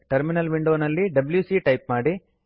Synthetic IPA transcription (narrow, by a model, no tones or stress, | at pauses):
ʈɐɾminɐlʋiɳɖoːnɐlːiɖɐbljuːsiʈɐjp̚maːɽi